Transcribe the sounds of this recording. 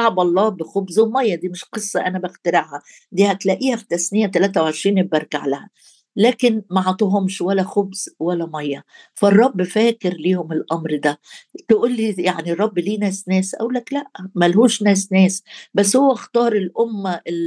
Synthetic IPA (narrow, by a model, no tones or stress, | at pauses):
aʕbɑlˤːɑːbɪxobzwmɑjːɑd̪iːmɪʃqɨsˤːɑʔænæbæxt̪æɾaʕhæ | d̪iːhæklæʔiːhæħt̪æsnɪjːæt̪ælæːt̪̬æwʕeʃɾiːnebbɑɾˤkaʕlæhæ | læːkɪnmaʕɑt̪ˤiɦʊmʃwælːæxobz̥wælːæmɑjːɑ | færˤːɑbːfæːkɪɾliːhʊmɪlʔɑmɾd̪æt̪ʔuːlːijaʕnirˤːɑbːliːnæːsnæːsʔæ̰ʔulːæklæʔmælɦuːʃnæːsnæːsbæs̬ːhowːæxt̪ɑːɾˤɪlʔʊmːæɪ